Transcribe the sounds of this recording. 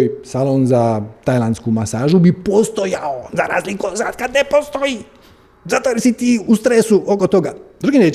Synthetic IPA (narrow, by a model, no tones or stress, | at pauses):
jsalonzat̪ajlˠanskumasaːʒubipost̪ojaozaɾa̰ːzlikosat̪kad̪nepost̪o̞i | zat̪ojesit̪iːust̪ɾesuʔokot̪o̞ɡad̪ɾuɡine